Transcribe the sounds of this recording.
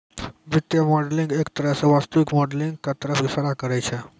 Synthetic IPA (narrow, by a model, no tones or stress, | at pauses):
ʋit̪jəmɔɖliŋɡekt̪əɾasəʋast̪uʋikmɔɖliŋɡkat̪əɾəfʋisaɾakəɾajt͡ɕʰe